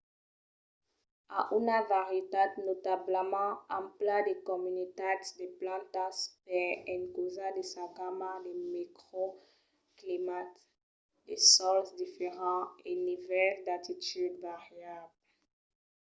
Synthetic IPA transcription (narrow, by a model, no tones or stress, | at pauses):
aʔynavaʁjet̪ad̪not̪abləmɑ̃ãplad̪ekɔmynit̪at̪d̪eplɑ̃t̪aspɛɛ̃nkozãd̪esakamad̪emekχo | klimat̪ | d̪esɔlsd̪ifeʁɑ̃enivɛld̪at̪it̪yd̪vaʁjabl